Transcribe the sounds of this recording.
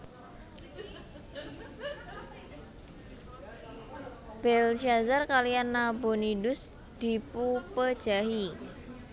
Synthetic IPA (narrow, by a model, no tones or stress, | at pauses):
b̥ɛlʃazarkalianːabonidʊs | d̪̥i̤pupəd̥ʒ̥aɦi